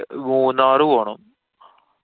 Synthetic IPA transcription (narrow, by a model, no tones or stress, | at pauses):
muːnːaːrɨʋoːɳɐm